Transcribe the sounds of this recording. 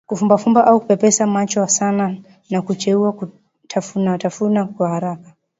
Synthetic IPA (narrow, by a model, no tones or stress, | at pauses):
kufumbafumbaʔaukupɛpɛsamat͡ʃɔasana | nakut͡ʃɛuaku | tʰafunatafunakwahaɾaka